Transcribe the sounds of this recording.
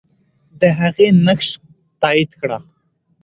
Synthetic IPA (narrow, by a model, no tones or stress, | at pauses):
d̪əɦaɣenakʃ | t̪ɑid̪kɽa